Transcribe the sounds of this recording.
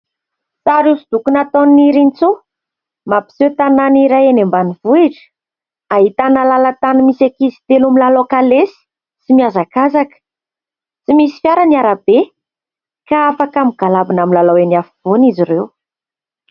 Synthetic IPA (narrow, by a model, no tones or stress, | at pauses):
saɾesud̪̥ukunat̪onniɾint͡su | mapi̥sewt̪ananiɾajenembanivuiʈ͡ʂə̥ | aɦit̪anəlalat̪animisakizi̥t̪elumilalokalesi̥ | simiazakazakə̥ | simisi̥fjaɾaniaɾab̥e | kaafakamiɡ̥alabinamilalawenafiv̥onizirew